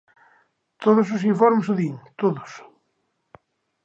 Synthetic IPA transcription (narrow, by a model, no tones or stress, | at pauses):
t̪oðosos̬iɱfɔɾmesuðiŋt̪oðos